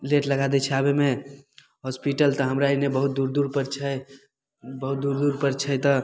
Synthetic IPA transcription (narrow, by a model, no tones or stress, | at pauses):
leʈləɡad̪ɛt͡ʃʰɛabeme | ɦɔspiʈəlt̪əɦəmɾainebəɦut̪̚d̪uɾd̪uɾpəɾt͡ʃʰə | bəɦut̪̚d̪uɾd̪uɾpəɾt͡ʃʰət̪ə